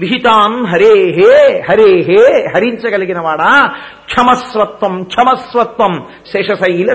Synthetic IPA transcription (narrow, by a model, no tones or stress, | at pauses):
ɾiɦit̪aːnɦɐɾeːɦeɦɐɾeːɦeːɦɐɾiɲt͡ʃɐɡɐliɡinɐʋaːɽɐ | t͡ʃʰɐmɐsʋɐt̪ʋɐmt͡ʃʰɐmɐsʋɐt̪ʋɐm | ʃeːʂɐsɐjilɐ